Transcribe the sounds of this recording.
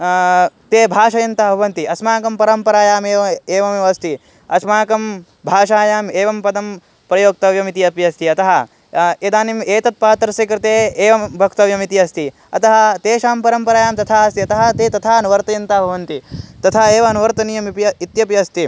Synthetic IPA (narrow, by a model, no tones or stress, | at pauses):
t̪eːbʱaːʃɐjɐnt̪ɐɐbʱɐʋɐnt̪iɐsmaːkɐmpɐɾɐmpɐɾaːjaːmeːɐeːʋɐmɐst̪i | ɐsmaːkɐm | bʱaːʃaːjaːmeːʋɐmpɐd̪ɐm | pɾɐjoːk̚t̪ɐʋjɐmit̪ijɐpjɐst̪ʰiɐt̪ɐɦɐ | ed̪aːnimeːt̪ɐt̪̚paːt̪ɾɐsikɾɪt̪eːeːʋɐmbʱɐkt̪ɐʋjɐmit̪iɐst̪i | ɐ̰t̪ɐɦɐ̆t̪eːʃaːmpɐɾɐmpɐɾaːjaːmt̪ɐt̪ʰaːɐst̪iɐt̪ɐɦɐ̆t̪eːt̪ɐt̪ʰaːɐnuʋɐɾt̪ɐjɐnt̪ɐbʱɐʋɐnt̪it̪ɐt̪ʰaːeːʋɐɐnuʋɐɾt̪ɐnijɐmipɐit̪jɐpjɐst̪i